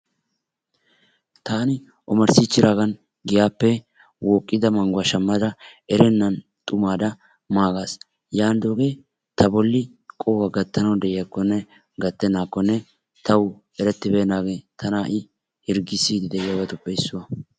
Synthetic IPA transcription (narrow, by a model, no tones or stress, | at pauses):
t̪aːnɪ | ʔɔmɐɾsɪt͡ʃːɪɾaːɡɐn | ɡɪjaːpːɛ | wɔːkʼːɪd̪ɐmɐŋɡʊɐʃɐmːɐd̪ɐɛɾɛnːɐn | t̪ʼʊmaːd̪ɐ | maːɡas | jaːnd̪oːɡe̞ː | t̪ɐbɔlːɪ | kʼɔwɐɡɐt̪ːɐnɐwd̪ɛʔɪjɐkːɔnːɛ | ɡɐt̪ːɛnaːkːɔnːɛ | t̪ɐw | ɛɾɛt̪ːɪbeːnaːɡe̞ːt̪ʰɐnaːʔɪ | hɪɾɡɪsːiːd̪ɪd̪ɛʔɪjɐbɐt̪ʼʊpʼːɛjsːʊwɐ